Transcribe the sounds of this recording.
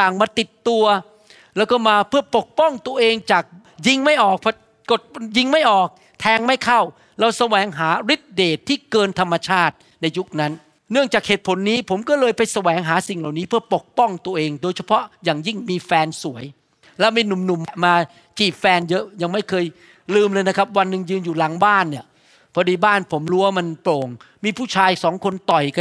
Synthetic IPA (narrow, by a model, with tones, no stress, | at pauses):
t̪aː˨˩ŋmaː˧t̪i˨˩t̪ːu˧ɐ | lɛː˦˥wkɔː˥˩maː˧pʰɯ˥˩ɐpo˨˩k̚pɔ˥˩ŋt̪u˧ɐʔeː˧ŋt͡ɕaː˨˩k̚ | ji˧ŋma˥˩jʔɔː˨˩k̚pʰɔ˧˥ | ko˨˩t̪̚ji˧ŋma˥˩jʔɔː˨˩k̚ | t̪ʰɛː˧ŋma˥˩jkʰa˥˩w | ɾa˧wsa˧wɛː˨˩˦ŋɦaː˩˦ɾi˦˥t̪̚deː˨˩t̪ʰːiː˥˩kɤː˧nt̪ʰa˧mːa˧t͡ɕʰaː˥˩t̪̚ | na˧jːu˦˥k̚na˦˥nː | ɯ˥˩əŋt͡ɕaː˨˩k̚heː˨˩t̪̚pʰo˨˩˦nːiː˦˥pʰo˩˦mkɔː˥˩lɤː˧jpa˧jsa˧wɛː˩˦ŋɦaː˩˦si˨˩ŋla˨˩wniː˦˥pʰɯ˥˩ɐpo˨˩k̚pɔ˥˩ŋt̪u˧əʔeː˧ŋdoː˧jt͡ɕʰa˧pʰɔ˦˥jaː˨˩ŋji˥˩ŋmiː˧fɛː˧nsu˩˦əj | lɛ˦˥wmiː˧nu˨˩mnu˨˩mːa˨˧maː˧ | t͡ɕiː˨˩p̚fɛː˧njɤ˦˥ʔja˧ŋma˥˩jkʰɤː˧j | lɯː˧mlɤː˧jna˦˥kʰa˦˥p̚wa˧nːɯ˨˩ŋjɯː˧njuː˨˩laː˩˦ŋbaː˥˩nːi˧˥˩ɐ | pʰɔ˦˥diː˧baː˥˩npʰo˩˦mɾuː˦˥waː˥˩ma˧nploː˨˩ŋmiː˧pʰuː˥˩t͡ɕʰaː˧jsɔː˩˦ŋkʰo˧nt̪ɔ˨˩jka˧